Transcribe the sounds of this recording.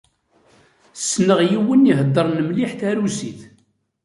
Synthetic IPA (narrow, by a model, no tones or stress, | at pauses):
sːnəʁjiwəniɦəd̪ˤːəɾˤnəmliħθæɾusiθ